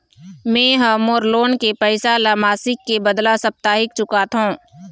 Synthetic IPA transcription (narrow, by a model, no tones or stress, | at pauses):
mɛ̃ːɦɐmoːɾloːnkepɛːɪsalamaːsɪkːebəd̪lasəp̚t̪aːɦɪkt͡ʃʊkat̪ʰõː